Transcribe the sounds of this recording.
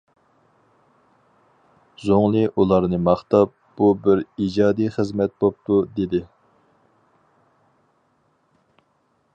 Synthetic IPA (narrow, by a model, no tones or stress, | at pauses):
zoŋlˠɨʔulˠɑɾnɨmɑχt̪ɑp̚ | bubɪɾid͡ʒɑːd̪ijχəzmɛt̪̚bop̚t̪ʰud̪ed̪ɪ